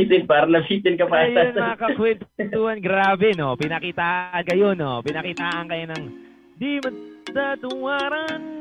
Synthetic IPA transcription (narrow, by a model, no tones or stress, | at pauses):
it̪ɪnpaːɾɐlɐpiːt̪ɪnkɐpaajonmɐŋakɐkwɛnt̪uhɐnɡɾaːbɛnopɪnɐkiːt̪aːʔʔɐnkɐjo̞nopɪnɐkiːt̪aːʔɐnkɐjonɐŋ | d̪imɐsat̪ʊŋaːɾɐn